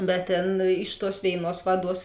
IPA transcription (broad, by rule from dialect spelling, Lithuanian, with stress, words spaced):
bʲɛt ˈtʲeːn ɪʃ tuɔs ˈʋʲeːɪˌnuɔs ˈʋɑːˌduɔs